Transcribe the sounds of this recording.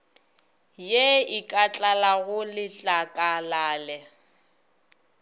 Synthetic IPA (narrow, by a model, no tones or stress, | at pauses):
jeɪkʼat͡ɬʼalaɣʊlɪt͡ɬʼakʼalaːlɛ